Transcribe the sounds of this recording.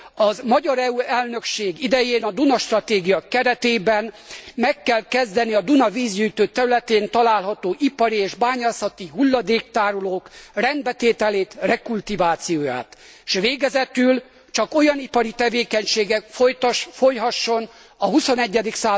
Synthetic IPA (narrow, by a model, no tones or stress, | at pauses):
ɒzmɒɟɒɾɛuɛlnø̞kʃeːɡid̪ɛjeːnɒd̪unɒʃt̪rɒt̪eːɡijɒkɛɾɛt̪eːbɛn | mɛkːɛlkɛzd̪ɛniɒd̪unɒviːzjujt̪øːt̪ɛɾylɛt̪eːnt̪ɒlaːlɦɒt̪oːʔipɒɾieːʒbaːɲaːsɒt̪iɦulːɒd̪eːk̚t̪aːɾoloːkrɛnd̪bɛt̪eːt̪ɛleːt̪rɛkult̪ivaːt̪sijoːja̰ːt̪ | ʃʋeːɡɛzɛt̪yl | t͡ʃɒko̞jɒnipɒɾit̪ɛveːkɛɲʃeːɡɛkfojt̪ʃfo̞jɦɒʃːo̞n | ɒɦuso̞nɛɟːɛd̪iksaː